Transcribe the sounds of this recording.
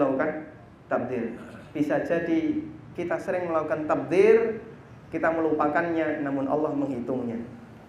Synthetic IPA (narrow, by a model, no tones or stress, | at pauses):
laukan | t̪ab̚d̪ɪrb̥isad͡ʒadikit̪asəɾɪŋməlakukant̪ab̚d̪ɪr | kit̪aməlupakanɲanamʊnʔɑ̰lːɑhməŋɦit̪ʊŋɲa